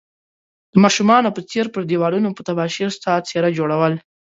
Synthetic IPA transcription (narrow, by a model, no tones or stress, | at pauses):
d̪̥əmɑʃumɑnopət͡seɾpəɾd̪ewɑlunopət̪abɑʃiɾst̪ɑt͡seɾad͡ʒoɽawəl